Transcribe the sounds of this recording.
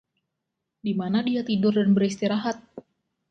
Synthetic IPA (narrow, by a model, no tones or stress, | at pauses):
dimanadiat̪idʊrdanbəɾist̪iɾaɦat̪̚